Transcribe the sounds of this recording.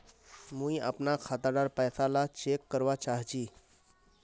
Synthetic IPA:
mũiə̰pnakʰat̪aɖaɾpɛːsalat͡ʃekːəɾʋat͡ʃaɦt͡ʃiː

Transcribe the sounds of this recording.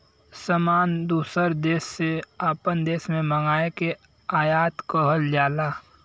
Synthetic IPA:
səmaːnd̪uːsəɾd̪eːsːeaːpənd̪eːsmẽməŋɡaːeke | aːjaːt̪kəɦəld͡ʒaːlaː

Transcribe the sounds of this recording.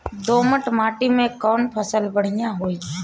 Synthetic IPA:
d̪oːməʈmaːʈiːmẽkɔːnpʰəsəlbəɽ̤ɪjãːɦoːiː

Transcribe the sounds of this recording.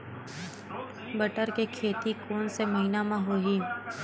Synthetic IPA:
bəʈəɾkekʰeːt̪ikoːnseməɦinamãɦoɦi

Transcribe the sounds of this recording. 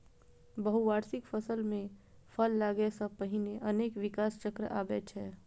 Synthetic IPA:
bəɦuʋaːɾsɪkfʰəsəlmẽpʰəlːaːɡesəpəɦɪneʔɐneːkʋɪkaːst͡ʃəkɾəʔa̰ːbɛːt͡ʃɦɛː

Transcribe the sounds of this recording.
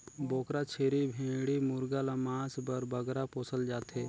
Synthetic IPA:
boːkɾat͡ʃʰeːɾibʱẽːɽimʊɾɡalamaːsbəɾbəɡɾapoːsəld͡ʒaːt̪ɦeː

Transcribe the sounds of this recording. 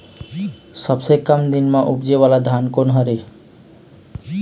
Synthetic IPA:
səbsekəmd̪inmãʔupd͡ʒeʋalad̪ʱankonɦəɾe

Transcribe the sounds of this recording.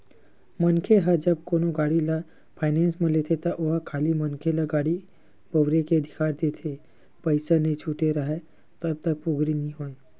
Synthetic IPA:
mənkʰeɦad͡ʒəbkoːnoɡaːɽila | pʰaːɪnẽːnsmẽlet̪ʰet̪ɐʔoɦakʰaːlimənkʰelaɡaːɽi | bəʋɾekeəd̪ʱɪkaːɾd̪et̪ʰe | pəɪsanet͡ʃʰuːʈeɾəɦe | t̪əb̚t̪ɐk̚pʊɡɾinĩɦoːẽ

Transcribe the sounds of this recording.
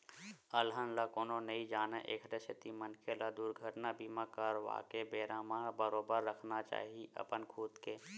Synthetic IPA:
əlɦənlakoːnonəid͡ʒaːneʔeːkʰʈesɪt̪imənkʰelad̪uːɾɡʱəʈnabimãkəɾʋa̰ːkebeːɾãmãbəɾoːbəɾːəkʰnat͡ʃa̰ːɦiʔə̰pənkʰuːt̪keː

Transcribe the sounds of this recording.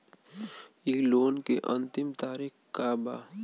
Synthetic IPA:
iloːnkeʔɐ̃nt̪ɪmt̪aːɾixkaːba̰ː

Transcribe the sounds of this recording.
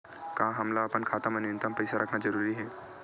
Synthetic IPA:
kãɦɐmlaːpənkʰaːt̪əmənjə̃nt̪əmpɐjsaɾʔɐkʰnad͡ʒɐɾuːɾiɦɛː

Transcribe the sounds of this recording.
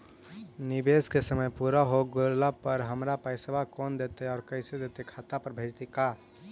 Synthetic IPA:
nibeskesəməjpuɾaɦoɡoɾlapəɾɦəmɾapajsebʱakɔnd̪et̪eɔːɾkəɪsed̪et̪ekʰat̪apəɾbʱəɾt̪ika

